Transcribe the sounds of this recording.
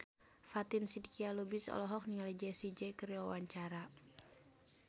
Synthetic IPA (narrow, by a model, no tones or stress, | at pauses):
fat̪insidikialubisɔ̰lɔɦɔk̚niŋalid͡ʒɛsid͡ʒɛkɨɾiwawaɲt͡ʃaɾa